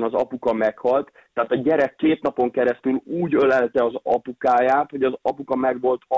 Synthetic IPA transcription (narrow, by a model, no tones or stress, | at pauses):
nɒzɒ̰pukɒmɛkhɒlt̪ːɛːt̪ɒɟɛɾɛkːeːt̪nɒpo̞ŋkɛɾɛst̪yluːɟølɛlt̪ɛɒzɒ̰pukaːjaːt̪ho̞ɟɒzɒpukɒmɛɡʋo̞lt̪